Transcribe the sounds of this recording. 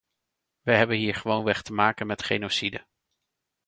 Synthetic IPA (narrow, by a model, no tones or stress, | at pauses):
ʋəɦɛbənɦiːɹχəʋownʋɛχtəmaːkənmɛtχejnosidə